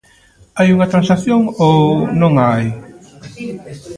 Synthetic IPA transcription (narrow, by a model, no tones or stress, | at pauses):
ajuŋɐt̪ɾãnsaθjoŋonõŋaj